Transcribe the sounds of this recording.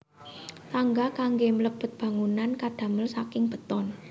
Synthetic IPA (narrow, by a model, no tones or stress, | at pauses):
t̪aŋɡakaŋɡemələb̥ət̪̚b̥ä̤ŋunankad̥ä̤məlsakɪŋb̥ə̤t̪ɔn